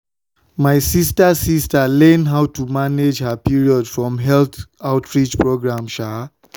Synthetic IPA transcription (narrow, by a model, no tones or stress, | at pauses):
majsistasistalɛ̃nɦawtumaned͡ʒhapiɹiɔdfɹɔ̃mɦɛlt̪aʊtʰɹit͡ʃpɹoɡɹãmʃa